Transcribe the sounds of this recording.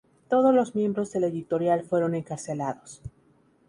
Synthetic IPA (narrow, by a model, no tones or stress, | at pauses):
t̪o̞ð̞ozlo̞zmje̞mbɾo̞zðe̞le̞ðit̪o̞ɾjalfwe̞ɾo̞ne̞ŋkaɾse̞laðo̞s